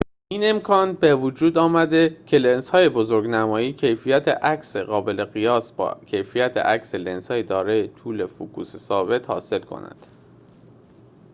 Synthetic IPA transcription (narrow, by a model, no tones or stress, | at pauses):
ʔiːne̞mkʰɒːnbevud͡ʒuːd̪ɒːmæd̪e̞cʰe̞lenshɒːje̞bozoɾɡnæmɒːjiːcʰe̞jfijæt̪ʰḛʔækseɣɒːbe̞le̞ɣijɒːsbɒ̰cʰe̞jfijæt̪ʰḛʔæcsele̞nshɒːjed̪ɒːɾɒːjet̪ʰuːle̞fukʰuːsesɒːbe̞t̪hɒ̰ːse̞lkʰo̞̰næ̰nd̪̥